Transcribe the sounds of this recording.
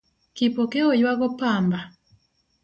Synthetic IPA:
kipɔkeɔjwaɣɔpamba

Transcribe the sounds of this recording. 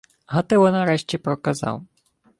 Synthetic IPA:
ɦat̪ɪwɔnɐɾɛʃt͡ʃʲɛpɾɔkazɑ̰w

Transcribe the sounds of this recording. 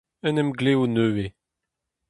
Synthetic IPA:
ənɛmɡleunøe

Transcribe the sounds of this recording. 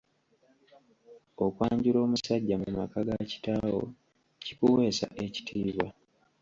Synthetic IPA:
o̞kwaːɲɟuɾo̞ːmusaɟːamumakaɡaci̥taːwo̞̰ | ci̥kuwe̞ːsa̰ʔe̞ci̥tʰiːβwa

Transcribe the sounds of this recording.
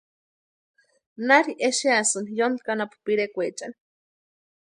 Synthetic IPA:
naɾiʔeʃiasɨnjonkanapu̥piɾekʷet͡ʃan

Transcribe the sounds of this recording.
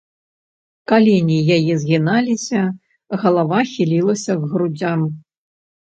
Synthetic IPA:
kalʲinʲijajɛzɣʲinalʲisʲɐ | ɣɐlˠavaxʲilʲilˠɐsʲɐɣɣɾud͡zʲam

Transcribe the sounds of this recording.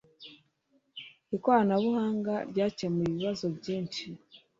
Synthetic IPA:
ikwaanaβuhaːŋɡaɾɟaːcemiβiβazo̞bɟiːnʃi

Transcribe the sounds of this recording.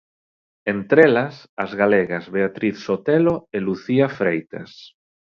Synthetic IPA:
ent̪ɾelasazɣaleɣazβeat̪ɾiθsot̪eloeluθiafɾejt̪a̰s

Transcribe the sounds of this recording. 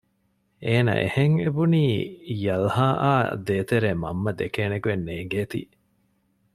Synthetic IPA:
ʔeːnɐ̰ʔḛheŋebuniːjɐlhaːʔa̰ːd̪eːt̪eɾeːmɐ̰mːɐd̪ekeːnekuenːeːŋɡeːt̪ḭː

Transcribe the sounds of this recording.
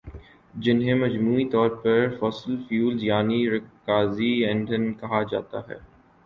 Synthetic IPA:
d͡ʒɪnɦẽmɐd͡ʒmuːit̪ɔːɾpɐɾfɔːsəlfjuːlzjaːniɾɪkaːziɛ̃ɳɖənkɐɦad͡ʒa̰ːt̪aɦɛ̰ː

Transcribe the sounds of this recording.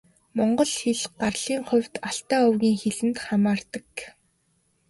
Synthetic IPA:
mɔɴɢɞ̆ɮxeɮɢarɮ̥iːŋχʊ̟wʲt̪aɬt̪aːʊwɣʲiːŋxeɮɘ̆nt̪χamaːrt̪ə̆k

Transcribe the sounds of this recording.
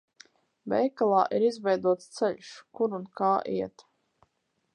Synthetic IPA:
bɛ̰jkalˠaːʔiɾizvɛjd̪uɔt̪st̪sɛʎʲʃkuɾunkaːʔḭɛt̪

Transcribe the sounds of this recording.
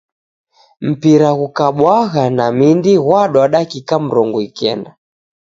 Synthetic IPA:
m̩piɾaɣukaɓwaɣanamindiɣwaɗwaɗakikam̩ɾɔŋɡuikɛnda

